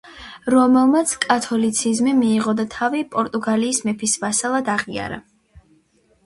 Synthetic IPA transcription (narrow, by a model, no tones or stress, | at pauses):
ɾɔmɛlˠmat̪sʰkʼat̪ʰɔlit̪sʰizmimiːʁɔd̪at̪ʰavipʼɔɾt̪ʼuɡaliːsmɛpʰisvasalˠad̪aʁia̰ɾa̰